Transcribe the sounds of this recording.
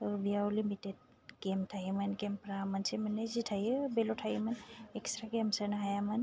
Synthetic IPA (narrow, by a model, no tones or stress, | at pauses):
bijalimited̚ | ɡɛmtʰaɦimanɡɛmpɹamansimanɛzitʰajbɛlɔtʰajimanɛkstɹaɡemsanaɦajaman